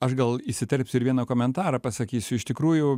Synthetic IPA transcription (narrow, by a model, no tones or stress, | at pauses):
ɐʃɡɐlˠɪsʲɪt̪ʲɛɾʲpʲsʲʊɪɾʋʲiɛnɐkoːmʲɛnt̪ɑːɾɐpɐsɐkʲiːsʲʊɪʃt̪ʲɪkɾuːjʊ